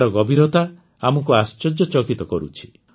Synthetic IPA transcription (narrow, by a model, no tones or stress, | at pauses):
ɾɔɡɔbʱiɾɔt̪a | amɔkuast͡ʃɔd͡ʒɔt͡ʃɔkit̪ɔkɔɾṵt͡ʃʰi̥